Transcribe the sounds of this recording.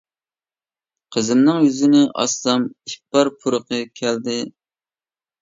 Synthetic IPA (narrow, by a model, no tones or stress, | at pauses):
qʰəzɨmnɨŋjyzɪnɪʔɑ̰st̪ɑmik̚ʲbɑɾpʰuɾʊqəkʲʰɛld̪ɪ